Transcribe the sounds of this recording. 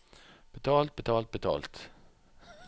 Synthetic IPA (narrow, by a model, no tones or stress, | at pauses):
b̥ət̪ʰɑːlt̪̚bət̪ʰɑːlt̪̚bət̪ʰɑ̰ːlt̪